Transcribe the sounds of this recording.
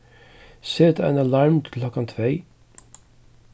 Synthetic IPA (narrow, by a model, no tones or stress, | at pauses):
seːt̪ɛ̰nalaɹmt̪klɔkant̪ʰvɛj